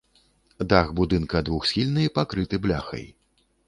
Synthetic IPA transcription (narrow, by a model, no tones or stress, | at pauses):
d̪aɣbud̪ɨnkɐd̪vuxsʲxʲilʲnɨjpakɾɨt̪ɨblʲa̰xɐ̰j